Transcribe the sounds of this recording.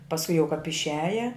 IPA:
pɐsˈkʊ jɛʊ kɐp ɪʃʲˈæːjɛ

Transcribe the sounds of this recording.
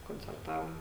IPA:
koːnʲt͡sʲɛrˈtɑːʋoːm

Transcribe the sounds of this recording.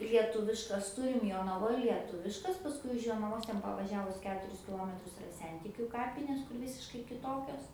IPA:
lʲiɛˈtʊʋʲɪʃkɐs ˈtʊrʲɪm joːnɐˈʋoːj lʲiɛˈtʊʋʲɪʃkɐs pɐsˈkʊɪ ʊʃ joːnɐˈʋoːs ˈtʲɛn pɐʋɐˈʒʲæːʋʊs ˈkʲæːtʊrʲɪs kʲɪˈlˠoːmʲɛtrʊs ɪˈrɐ ˈsʲɛnʲtʲɪkʲʊ ˈkɑːpʲɪnʲeːs kʊr ˈʋʲɪsʲɪʃkɐɪ kʲɪˈtoːkʲoːs

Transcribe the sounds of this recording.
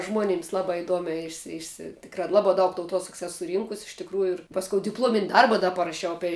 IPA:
ˈʒmoːnʲiːms ˈlˠɑːbɑː ɪˈduɔmʲæː ˈɪʃʲsʲɪ ˈɪʃʲsʲɪ ˈtʲɪkrɑː ˈlˠɑːbɑː ˈdɐʊk tɐʊˈtuɔsɐks ˈɛs sʊˈrʲiːŋkʊs ɪʃ tʲɪkˈruːjʊ ɪr ˈpɑːskoːʊ dʲɪpˈlˠuɔmʲɪnʲ ˈdɐrbɐ ˈdɐ pɐrɐˈʃʲɛʊ ˈɑːpʲɛɪ

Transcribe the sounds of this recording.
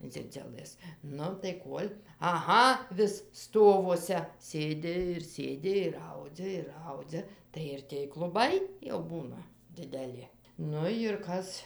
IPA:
ˈd͡zʲɪd͡zʲʊlˠɘs ˈnʊ tɐɪ ˈkuɔlʲ ɐˈɣɐ ʋʲɪs ˈstoːʋuɔsʲɛ ˈsʲeːdʲɪ ɪr ˈsʲeːdʲɪ ɪr ˈɐʊd͡zʲɛ ɪr ˈɐʊd͡zʲɛ tɐɪ ɪr tʲeːj klˠʊˈbɐɪ jɛʊ ˈbuːnɐ dʲɪdʲɛˈlʲɪ ˈnʊ jɪr ˈkɐs

